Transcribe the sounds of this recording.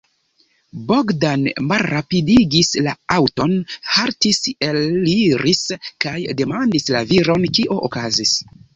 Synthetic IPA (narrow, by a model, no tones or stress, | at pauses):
boɡdanmalɾapidiɡislaawto̞nhaɾtise̞liɾʔiskajde̞mandislaviɾo̞nkiʔo̞ʔokazis